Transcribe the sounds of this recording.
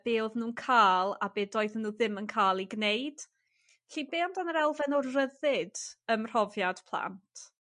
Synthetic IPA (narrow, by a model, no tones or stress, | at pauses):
b̥eːlðnuːnkʰaːlˠa̰beːdoːɨðnuːðɪmənkʰaːlˠiɡnejd̥ | ɬibeːwndanəɾɛlˠvɛnɔrəðɪd̥əmr̥ɔvjad̥pʰlˠa̰ntʰ